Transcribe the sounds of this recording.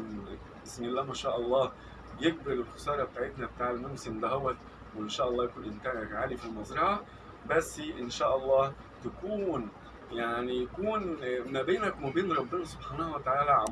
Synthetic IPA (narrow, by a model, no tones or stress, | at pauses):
ʔɪsmilːæːmæʃæːʔɑlˤːɑː | jeɡ̚beɾɪlxɑsˤɑːɾˤɑbet̪aːʕet̪næbet̪aːʕelmomsemd̪æɦowːæt̪ | weenʃæːʔɑlˤːɑːjækuːnʔɪnt̪æːnækʕaːlifilmɑzɾˤɑʕa | bæsːʔenʃæːʔɑlˤːɑː | t̪ækuːn | jaʕnijækuːnmæbeːnækmæbeːnɾˤɑbːenæsˤobħaːnæhwæt̪aʕaːlæʕam